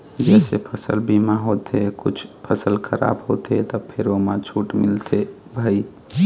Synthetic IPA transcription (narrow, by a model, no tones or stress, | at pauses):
d͡ʒɛsepʰəsə̰lbimaɦot̪ʰekut͡ʃʰpʰəsəlkʰəɾa̰bɦot̪ʰet̪ɔpʰeɾomãt͡ʃʰuʈmilt̪ʰe | bʱəi